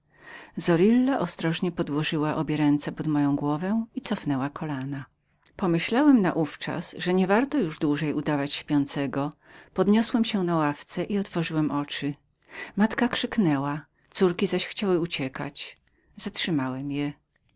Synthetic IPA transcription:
zɔɾilːaʔɔst̪ɾɔʐɲɛpɔd̪wɔʐɘwaʔɔbʲjɛɾɛnt̪sɛpɔd̪mɔjɔ̃w̃ɡwɔvɛ̃it̪sɔfnɛwakʰɔlana | pɔmɘɕlawɛmnaʔuft͡ʂa̰sʐɛɲɛvaɾt̪ɔjuʐd̪wuʐɛjud̪avat͡ɕɕpʲjɔnt̪sɛɡɔ | pɔd̪ɲɔswɛmɕɛnawaft̪sɛʔiɔt̪fɔʐɘwɛmʔɔt͡ʂɘ | mat̪kakʂɘknɛwa | t̪suɾkʲizaɕxt͡ɕawɘut͡ɕɛka̰t͡ɕ | z̥atʂɘmawɛmjɛ

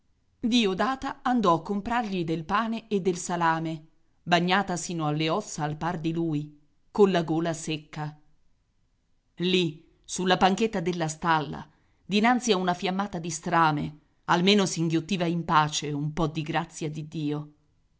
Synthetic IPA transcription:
d̪iːod̪aːt̪aand̪ɔakːompɾarʎid̪elpaːneed̪ːelsalaːme | baɲːaːt̪asiːnoalːeɔt̪saalpard̪iluːi | konlaɡoːlasekːa | li | sulːapaŋket̪ːad̪elːast̪alːa̰ | d̪inant̪siaunafjamːaːt̪ad̪ist̪ɾaːme | almeːnosiŋɡjot̪ːiːvaimpaːt͡ʃeumpɔd̪ːiɡɾat̪sːjad̪id̪ːiːo

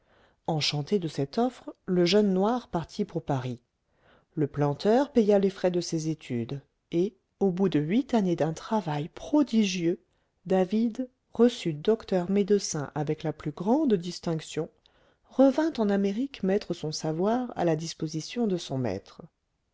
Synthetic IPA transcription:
ɑ̃ʃɑ̃t̪ed̪əsɛt̪ɔfχləʒœnːwaʁpaʁt̪ʰipuʁpaʁi | ləplɑ̃t̪œʁpejalefχɛd̪əsezet̪ʰyd̪ | e | obud̪əɥit̪aned̪ɛ̃t̪χavajpχɔd̪iʒjø | d̪avid̪ | ʁəsyd̪ɔkt̪œʁmed̪əsɛ̰̃ʔavɛklaplyɡʁɑ̃d̪d̪ist̪ɛ̃ksjɔ̃ | ʁəvɛ̃t̪ɑ̃nameʁikmɛt̪χəsɔ̃savwaʁa̰lad̪ispozisjɔ̃d̪əsɔ̃mɛ̰t̪χ

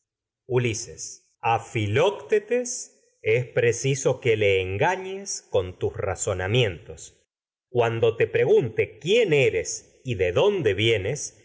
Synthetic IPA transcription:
ulises | afilokt̪et̪es | espɾesiso̞keleːŋɡaɲesko̞nt̪usra̰so̞namje̞nt̪o̞s | kwand̪o̞t̪e̞pɾe̞ɣunt̪e̞kjeneɾe̞s | iðe̞ðo̞nd̪eβje̞nes

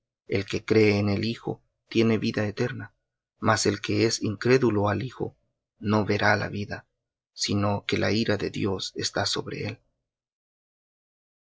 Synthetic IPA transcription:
e̞lke̞kɾe̞ːne̞lixo̞̰ | t̪je̞ne̞βiðaet̪e̞ɾna | mase̞lke̞esiŋkɾe̞ðuloalixo̞̰ | no̞βe̞ɾala̰βiða | sino̞ke̞la̰iɾaðe̞̰ðjo̞se̞st̪aso̞βɾe̞̰e̞l

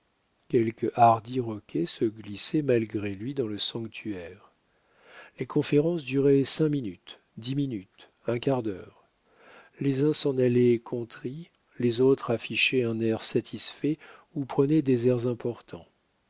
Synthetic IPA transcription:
kʲɛlkʔaʁd̪iʁɔkʲʰesəɡlisɛmalɡʁelɥid̪ɑ̃ləsɑ̃kt̪ʰyɛːʁ | lekʰɔ̃feʁɑ̃s̬d̪yʁɛsɛ̃minyt̪ | d̪iminyt̪ | ɛ̃kaʁd̪œ̰ːʁ | lezɛ̃sɑ̃nalɛkʰɔ̃t̪χi | lezot̪χafiʃɛɛ̃nɛʁsat̪ʰisfɛupχənɛd̪ezɛʁzɛ̃pɔʁt̪ʰɑ̰̃

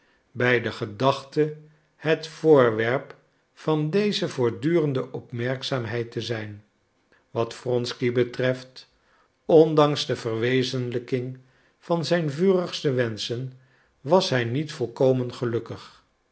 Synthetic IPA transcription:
bɛjdəχədɑχtə | hətfʊːɹʋɛɹp | fɑndejzəvʊːɹdyːrəndəʔɔpmɛɹksaːmɦɛjtəzɛjn | ʋɑtfrɔnskibətrɛft | ɔndɑŋzdəvərʋejzənləkɪŋ | v̥ɑnzɛjnvyːrəχstəʋɛnsən | ʋɑsɦɛjnitfɔlˠkowmənχəlɵkəχ

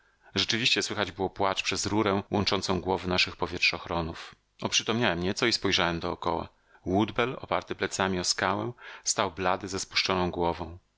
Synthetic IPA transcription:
ʐɛt͡ʂɘvʲiɕt͡ɕɛswɘxad͡ʑbɘwɔpwat͡ʂpʂɛzɾuɾɛwɔnt͡ʂɔnt̪sɔ̃w̃ɡwɔvɘnaʂɘxpɔvʲjɛtʂɔxɾɔnuf | ɔpʂɘt̪ɔmɲawɛmɲɛt̪sɔispɔjʐawɛmd̪ɔːkɔ̰wa̰ | wud̪bɛlɔ̰paɾt̪ɘplɛt̪samʲiɔskawɛ̰st̪awblad̪ɘzɛspu̥ʂt͡ʂɔnɔ̃w̃ɡwɔvɔ̃w̃

